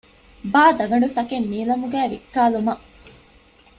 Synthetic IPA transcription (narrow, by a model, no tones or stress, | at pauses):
baːd̪ɐɡɐɳɖut̪ɐkenːiːlɐmuɡæːʋikːaːlumɐʔ